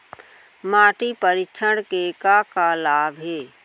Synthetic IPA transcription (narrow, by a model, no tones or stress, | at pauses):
maːʈipəɾɪt͡ʃʰəɽkekakalaːbʱɦeː